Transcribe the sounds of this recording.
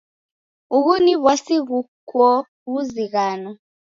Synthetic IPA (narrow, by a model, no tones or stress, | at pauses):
uɣuniβwasiɣukɔ | ɣuziɣaːnɔ